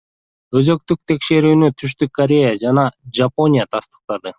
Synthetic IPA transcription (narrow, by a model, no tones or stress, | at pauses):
ø̞zø̞k̚t̪yk̚t̪ʰe̞kʃe̞ɾyːnyt̪ʰyʃt̪ykːɐɾʲe̞jad͡ʒɑnɑd͡ʒapo̞nʲijat̪ʰɑst̪ə̥q̚t̪ɑd̪ɯ